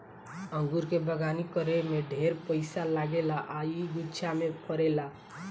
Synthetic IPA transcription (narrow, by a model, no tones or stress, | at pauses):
əŋɡuɾkebəɡanikəɾemeɖʱeɾpəɪsalaɡelaʔaiɡutːt͡ʃʰamepʰəɾela